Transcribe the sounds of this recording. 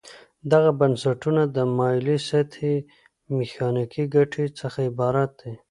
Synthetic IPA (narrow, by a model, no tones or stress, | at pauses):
d̪aɣabansaʈunad̪əmɑjliset̪ʰe | mexɑnikiɡaʈʰet͡səxaɪbɑɾat̪̚d̪e